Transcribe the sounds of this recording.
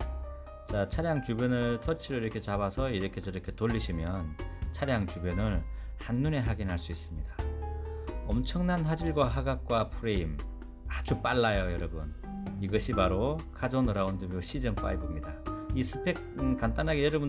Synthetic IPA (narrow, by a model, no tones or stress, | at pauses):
t͡ɕat͡ɕʰaɾjaŋt͡ɕubjʌnɯɭtʰʌt͡ɕʰiɾoiɾʌkʰe̞t͡ɕaβasʰʌiɾʌkʰe̞t͡ɕʌɾʌkʰe̞toʎːiɕʰimjʌnt͡ɕʰaɾjaŋt͡ɕubjʌnɯɭhanːune̞ɦaɡinɦaɭs͈uis͈ɯmɲidḁ | ʌmt͡ɕʰʌŋnanɦad͡ʑiɭɡwaɦaɡak̚k͈wapʰuɾeim | ad͡ʑup͈aɭːajojʌɾʌbun | iɡʌɕʰipaɾokʰad͡ʑonʌɾaundɯbjoɕʰid͡ʑʌŋp͈a̰ibɯmɲidaisʰɯ̥pʰe̞k̚nkant͈anɦaɡejʌɾʌbun